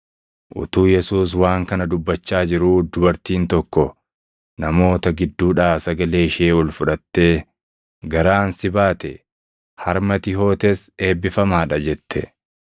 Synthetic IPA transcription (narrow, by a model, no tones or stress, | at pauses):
ʔʊ̰t̪uːjɛsuːs̬waːŋkɐnɐd̪ʊbːɐt͡ʃːaːd͡ʒɪɾuːd̪ʊbɐɾt̪iːnt̪ɔkːɔ | nɐmo̞ːt̪ɐɡɪd̪ːuːᶑaːsɐɡɐle̞ːɪʃɪeːɔlfʊᶑɐt̪ːe̞ː | ɡɐɾaːnsɪbaːt̪ɛ | hɐɾmɐt̪ɪɦo̞ːt̪ese̞ːbːɪfɐmaːᶑɐd͡ʒɛt̪ːɛ